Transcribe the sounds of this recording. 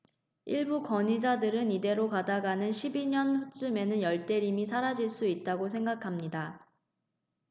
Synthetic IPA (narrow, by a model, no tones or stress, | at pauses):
iɭbukʌɲid͡ʑadɯɾɯnide̞ɾokadaɡanɯnɕʰibiɲʌnɸut͡ɕ͈ɯme̞nɯnjʌɭt͈e̞ɾimisʰaɾad͡ʑiɭs͈uit̚t͈aɡosʰe̞ŋɡakʰamɲida